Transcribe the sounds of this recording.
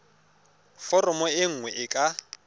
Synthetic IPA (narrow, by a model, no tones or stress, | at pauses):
fɔrɔmɔɪŋ̩ŋwɛʔɪkʼa